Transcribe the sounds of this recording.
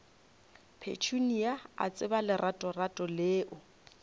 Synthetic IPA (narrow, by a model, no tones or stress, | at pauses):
pʰḛt͡ʃʰuniaa̰t͡sʼɪbalɪrʔatʼɔratʼɔleːʔʊ